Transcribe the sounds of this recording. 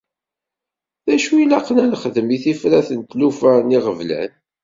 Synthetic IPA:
ðæʃujlɑqnælχəðəmiθifɾæθənt̪lufæniʁəvlæ̰n

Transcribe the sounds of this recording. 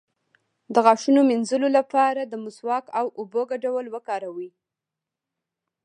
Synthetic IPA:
d̪əɣɑʂunominzulolapɑɾad̪əmʊswɑkawoboɡaɖawəlwəkɑɾawi

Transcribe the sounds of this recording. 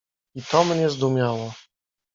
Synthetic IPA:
it̪ɔmɲɛzd̪umʲjawɔ

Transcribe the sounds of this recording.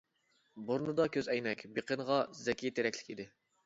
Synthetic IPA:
boɾnɨd̪ɑkʲʰøzɛjmɛkʲbeqənʁɑzɛkʲʰijit̪ʰeɾɛkʲlɪ̥kʲid̪ɪ

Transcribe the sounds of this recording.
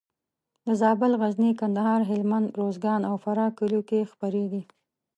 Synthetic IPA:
d̪əzɑbɪlɣaznikand̪aɦɑɾɦɪlmand̪ɾozɡɑnawfaɾɑkəlokexpaɾeɡi

